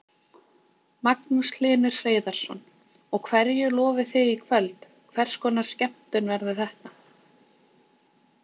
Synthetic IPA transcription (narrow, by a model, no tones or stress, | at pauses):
maknʏslɪːnɪr̥r̥eːjðaɾ̥sɔ̰n | ɔɣkʰvɛɾjʏlɔːvɪθɪikʰvœlt̪ | kʰvɛr̥skɔːnaɾ̥scɛm̥t̪ʏnvɛɾðʏθɛht̪a